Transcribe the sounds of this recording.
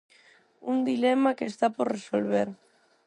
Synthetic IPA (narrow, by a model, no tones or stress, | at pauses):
und̪ilemakest̪apoɾresolβeɾ